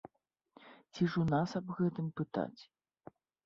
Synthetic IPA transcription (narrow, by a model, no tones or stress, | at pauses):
t͡sʲiʐunasɐbɣɛt̪ɨmpɨt̪a̰t͡sʲ